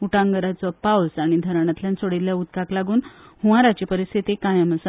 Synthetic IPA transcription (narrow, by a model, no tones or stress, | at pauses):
uʈãŋɡəɾat͡sɔpawsaɽ̃id̪ʱəɾɳ̃at̪ljãnsoɽilljaut̪kaklaɡuːnhuʋaɾat͡ɕepəɾist̪ʰit̪ekajaməsa